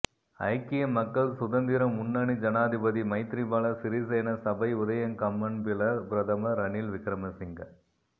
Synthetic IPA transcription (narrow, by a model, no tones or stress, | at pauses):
ɐ̰ɪkːɪjɐmːɐkːɐɭsʊðɐnd̪ɪɾɐmːʊnːɐɳid͡ʒɐnaːd̪ɪbɐðimɐɪt̪ɾibaːlɐsɪɾisɐːnɐsɐbɐɪʊðɐjɐŋkɐmːɐnpɪlɐbɾɐðɐmɐɾɐnilʋɪkɾɐmɐsɪŋɡɐ